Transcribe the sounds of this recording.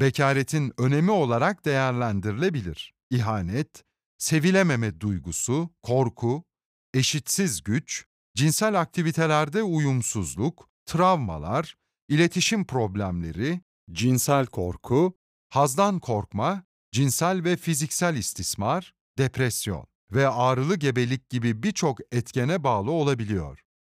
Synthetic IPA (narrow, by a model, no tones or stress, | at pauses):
becʰaːɾet̪ʰinø̞ne̞mio̞lˠaɾak̚d̪e̞jæɾlʲænd̪iɾilʲe̞bilʲḭɾ̥ | iɦaːnɛt̪ | se̞vilʲememɛd̪ujɡusukʰo̞ɾkʰu | e̞ʃit̪sizɟyt͡ʃ | d͡ʒinsælʲak̚t̪ʰivit̪ʰe̞lʲæɾd̪ɛujumsuzlˠuk | t̪ʰɾavma̰lˠaɾ | ilʲe̞t̪ʰiʃimpʰɾo̞blʲæmlʲe̞̰ɾi | d͡ʒinsælʲkʰo̞̰ɾkʰu | hazd̪ankʰo̞ɾkma | d͡ʒinsælʲvɛfizicsælʲist̪ʰismaɾ | d̪epʰɾɛsjo̞̰n | vɛaːɾɯlˠɯɟe̞be̞lʲic̚ɟibibiɾt͡ʃʰo̞kɛt̪cenɛbaːlˠɯo̞lˠabilʲijo̰ɾ̥